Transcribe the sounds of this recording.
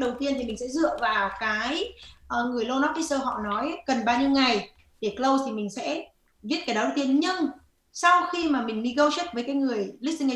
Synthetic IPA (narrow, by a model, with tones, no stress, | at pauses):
ɗə˨˩wt̪i˧ənt̪ʰi˨˩mï˨˩ŋ̟sɛ̰˧˥zɨ̰˧˨əvaː˨˩wkaː˨˦jʔəː˨˩ŋɨ˨˩əjlo˧nɔ˦˥i˦˥səː˧ɦɔ̰˧˨nɔ˨˦jkə˨˩nɓaː˧wɲɨ˧wŋa˨˩j | ɗe˧˩klə˧wt̪ʰi˨˩mï˨˩ŋ̟sɛ̰˧˥ | vi˦˥t̚kaː˨˦jɗɔ˨˦ə˧˩wt̪i˧ənɲɨ˧ŋ | sa˧wxi˧maː˨˩mï˨˩ŋ̟mi˧ɣə˧wt͡ɕə˦˥t̚vəː˨˦jkaː˨˦jŋɨ˨˩əjli˦˥si˧ŋ˧